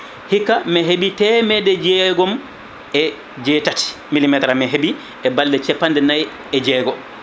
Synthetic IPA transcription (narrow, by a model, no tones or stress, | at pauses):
hikːamɛɦebitɛmɛdɛd͡ʒɛɡɔm | ɛ | d͡ʒɛtati̥ | milimɛtɾamɛɦebi | ɛbaldɛt͡ʃɛpːandɛnaj | ɛd͡ʒɛːɡɔ